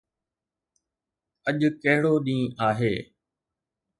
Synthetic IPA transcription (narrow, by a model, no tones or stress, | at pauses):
əʄkɐɦɪɽoːɗĩːaːɦeː